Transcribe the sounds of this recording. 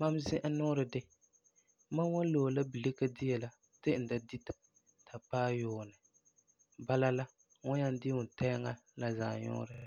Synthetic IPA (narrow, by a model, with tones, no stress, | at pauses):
ma˦m˦zɪ˦ʔa˦nɔː˦ɾɨ˨dɪ˦ | ma˦wa˦n˦lo˨la˦bi˨le˦ka˦dɪ˦jɛ˨la˦ | tɪ˦n̩˨da˦di˦ta˨ | tʰa˨paː˦joː˨nɨ˨ | ba˦la˦la˦ | ŋʊ˦ɲa˦n˦dɪ˦ʊ˨tɛ˦ŋa˦ | la˨za˨ɲɔ̰˦ɾɨ˨